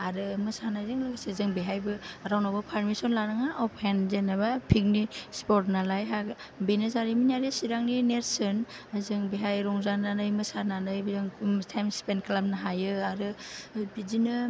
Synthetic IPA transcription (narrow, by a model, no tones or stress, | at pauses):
aɾɯmɯsanajzɯŋlɯɡsezɯŋbeɦajbɯɾawnawbapʰaɾmisɔnlaɾɯŋaʔɔpʰenzenabapʰik̚nispɔtnalajɦa | benezaɾiminaɾesiɾaŋnineɾsɯn | azɯŋbeɦajɾɔŋzananɯjmɯsananɯjbizɯŋtʰajmspenklab̚naɦajɯaɾɯbizinɯ